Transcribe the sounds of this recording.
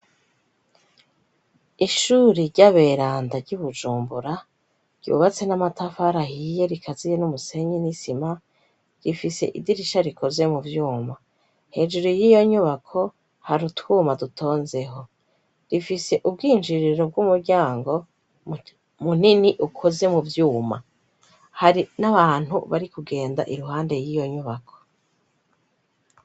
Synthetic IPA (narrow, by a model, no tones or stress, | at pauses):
iʃuɾiɾɟaβeːɾaːndaɾɟuβud͡ʒuːmbuɾa | ɾɟṵːβat͡se̞namatafaɾahije̞ɾikʰazijenumuse̞ɲinisima | ɾifise̞̰ʔḭdiɾiʃaɾikʰozemuvjuːma | he̞d͡ʒuɾujiːjo̞ɲuβakʰo̞ | haɾutwuːmadutʰo̞ːnze̞ɦo̞ | ɾifise̞ʔubɡiːnd͡ʒiɾiɾo̞b̚ɡumuɾɡɟaːŋɡo̞ | mun̥iniʔukʰo̞ze̞muvjuːma̰ | haɾinaβaːn̥hṵβaɾikuɡe̞ːnda̰ʔiɾuɦaːnde̞jiːjo̞ɲuβakʰo̞̥